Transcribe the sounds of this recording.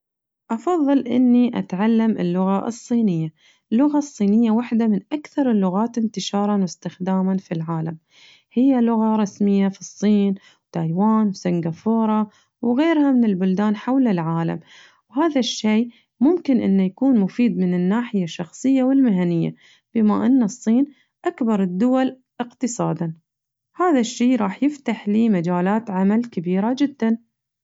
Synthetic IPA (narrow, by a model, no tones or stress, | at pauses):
ʔɑfɑðˤːɨlʔɪ̰nːiʔa̰t̪ʕalːamɪ̰lːʊɣaʔɨ̰sˤːiːnɪjːa | lːʊɣasˤːiːnɪjːawaħd̪amɪnʔakθɑɾˤɪlːʊɣaːt̪ɪnt̪ɪʃɑːɾˤɑnwɪst̪ɪxd̪aːmanfilʕaːlam | hɪjːalʊɣaɾˤɑsmɪjːafisˤːiːn | wt̪ajwaːnwsaŋɡafoːɾˤɑ | wɣeːɾhamɪnɪlbʊld̪aːnħawlɪlʕaːla̰m | whaːðaʃːeː | mʊmkɪnʔɪ̰nːajakuːnmʊfiːd̪mɪnɪnːaːħɪjaʃːɑxsˤɨjːawɪlmɪɦanɪjːa̰ | b̥ɪmaʔɪnːasˤːiːn | ʔakbɑɾˤɨd̪ːʊwal | ʔɪqt̪ɨsˤɑ̰ːd̪an | haːðaʃːeːɾˤɑːħjɪft̪aħliːmad͡ʒaːlaːt̪ʕamalkɪbiːɾad͡ʒɪd̪ːan